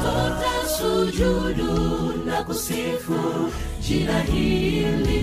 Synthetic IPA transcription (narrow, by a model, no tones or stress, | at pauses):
ɔtɛsud͡ʒuɗunakusifu | d͡ʒiɾaɦili